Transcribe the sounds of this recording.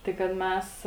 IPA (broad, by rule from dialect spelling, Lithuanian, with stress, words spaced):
ˈtɐɪ kɐt ˈmʲɛs